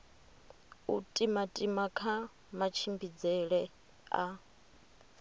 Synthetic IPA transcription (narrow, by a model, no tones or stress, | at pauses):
utʼimatʼimakʰa | mat͡ʃʰimbid͡zɛɺɛ | a̰